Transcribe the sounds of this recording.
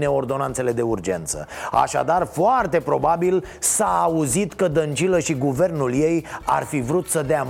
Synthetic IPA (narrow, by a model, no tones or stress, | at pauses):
ne̞o̞rd̪o̞nant̪se̞le̞d̪e̞urd͡ʒe̞̰nt̪sə̰a̰ʃa̰d̪arfoart̪e̞pɾo̞babil | saːuzit̪kəd̪ənt͡ʃiləʃiɡuve̞rnulje̞ja̰rfivɾut̪səd̪ea